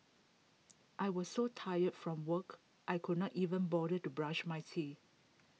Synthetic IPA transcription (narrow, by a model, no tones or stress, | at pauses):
ʔajwɔssotʰajətfɹɔ̃mwək | ʔajkʰud̚ⁿnɔtivə̃nbɔɾətubɹãʃmajtʰi